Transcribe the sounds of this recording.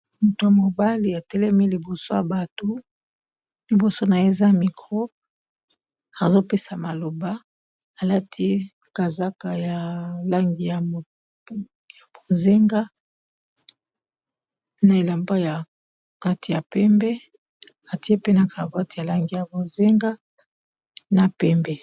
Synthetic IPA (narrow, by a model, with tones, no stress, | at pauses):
mo˨to˨ja˨mo˨ba˦li˨a˨tɛ˦lɛ˦mi˦li˨bo˨so˦ja˨ba˨to˦ | li˨bo˨so˦na˨je˦˨za˦mi˨kʁo˦ | a˨zo˦pe˦sa˨ma˨lo˨ba˦ | a˨la˦tʰi˦ | ka˨za˦ka˨ja˨la˦ŋɡi˦ja˨ | ja˨b̥o˨ze˦ŋɡa˦ | na˨e˨la˨mba˦ja˨ | ka˦ti˨ja˨pɛ˦mbɛ˦ | a˨ti˦e˦pe˦na˨ka˨va˦ti˦˨ja˨la˦ŋɡi˦ja˨bo˨ze˦ŋɡa˦ | na˨pɛ˦mbɛ˨